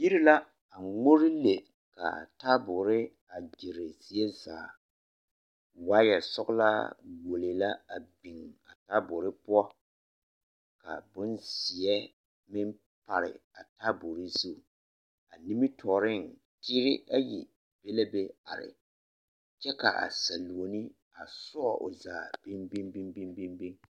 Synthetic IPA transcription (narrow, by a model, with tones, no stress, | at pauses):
ji˦ɾi˦la˦ | a˨ŋo˦ɾɪ˦le˨ | ka̰˨ta˦bʊ˨ɾɪ˦ | a˨d͡ʒe˨ɾe˨si˨e˦zaː˨ | waː˦jɛ˨sʊ˦kla̰˦ɡo˨li˨la˦a̰˨bi˨ŋa˨taː˦bʊ˨ɾɪ˦pʊ˦ɔ˦ | ka̰˨bʊ˦nzɪ˨ɛ˦ | mɪ˦n | pa˨ɾɪ̰˨a˨ta˦bʊ˨ɾi˦zu˦˨ | a˨ni˦mi˦tʰɔː˨ɾɪ˦˨ŋ | tiː˦ɾɪ˦a˦ji˨ | b̥e˦le˦be˦a̰˨ɾɪ̰˨ | t͡ʃɛ˦ka̰˨ʔa̰˨sa˨lu˨o˨nɪ˦ | a˨sʊ˦ɔ˦˨ʔʊ̰˨zaː˨b̥i˦mbi˦mbi˦ŋbi˦mbi˦mbi˦ŋ